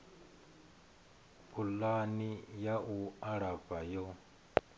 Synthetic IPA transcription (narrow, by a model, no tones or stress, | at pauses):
pʰulanijaʔuaɺabajɔ